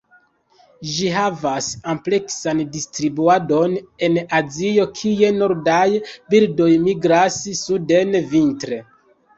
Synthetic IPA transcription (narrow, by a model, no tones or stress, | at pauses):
ʒiɦavasample̞ksandistɾibuado̞ne̞nazio̞kʰije̞no̞ɾdajbildo̞jmiɡɾassude̞nvintɾe̞